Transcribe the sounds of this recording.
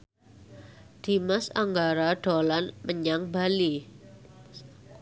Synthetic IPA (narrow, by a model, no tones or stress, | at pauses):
d̥i̤masaŋɡaɾaɖ̥olanməɲaŋbali